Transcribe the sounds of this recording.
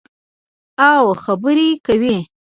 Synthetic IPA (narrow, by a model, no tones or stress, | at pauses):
awxabəɾekawi